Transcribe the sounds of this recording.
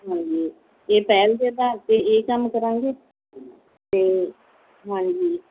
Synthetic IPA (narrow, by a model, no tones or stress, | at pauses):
ɦãːɲd͡ʒiː | eːpɛːld̪eːd̪aːt̪eeːkəmkəɾãːŋ̆ɡeː | t̪eː | ɦãːɲd͡ʒiː